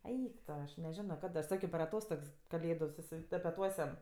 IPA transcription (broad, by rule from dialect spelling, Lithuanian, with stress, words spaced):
ˈɛɪk toː ɐʃ nʲɛˈʒʲæːnoː ˈkɐt ɐʃ ˈsɑːkʲoː pʲɛr ɐˈtoːstoːks kɐˈlʲeːdʊ sʊsʲɪtɐpʲɛˈtuɔsʲɛm